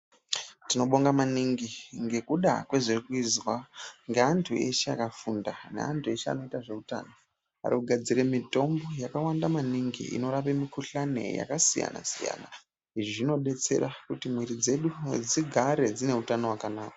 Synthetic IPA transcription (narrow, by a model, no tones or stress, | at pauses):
tino̞ɓo̞ŋɡamaniŋɡiŋɡe̞kuɗa̰kwe̞ʐirikuizwaŋɡeantʰue̞ʃeakafundanḛa̰ntʰue̞ʃea̰no̞itaʐe̞uta̰ːno | a̰ɾikuɡʱad͡ziɾe̞mito̞mbo̞jakawandamaniŋɡḭḭno̞ɾapemikuɬane̞̰ja̰kasija̰na̰sija̰ːna̰ | iʐiʐino̞ɗe̞t͡se̞̰ɾakutimwiɾid͡ze̞ɗud͡ziɡʱaɾe̞d͡zine̞utano̞wakanaːka